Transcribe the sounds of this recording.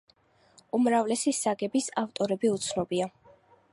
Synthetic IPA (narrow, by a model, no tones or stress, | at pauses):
umɾavlɛsisaɡɛbisaft̪ʼɔɾɛbiut̪sʰnɔbia